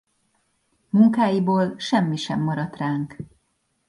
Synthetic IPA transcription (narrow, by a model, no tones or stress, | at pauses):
muŋkaːjiboːlʃɛmːiʃɛmːɒɾɒt̪raːŋk